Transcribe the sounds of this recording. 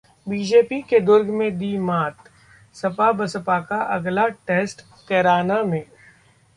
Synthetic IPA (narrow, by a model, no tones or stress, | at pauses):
biːd͡ʒeːpiked̪ʊɾɡʱmẽd̪iːmaːt̪ | sɐpabɐsəpaːkaʔɐɡlaʈeːsʈ | kɛɾaːnamẽː